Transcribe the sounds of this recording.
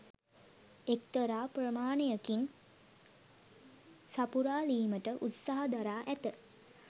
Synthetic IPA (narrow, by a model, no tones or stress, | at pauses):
ekt̪əɾaːprəmaːnejəkin | sapuɾaːliːməʈəʔut̪saɦəd̪aɾaːʔæt̪ə